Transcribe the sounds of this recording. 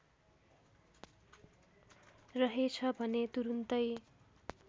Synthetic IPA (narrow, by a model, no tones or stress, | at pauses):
rʌɦet͡sʰʌbʱʌnet̪uɾunt̪ʌj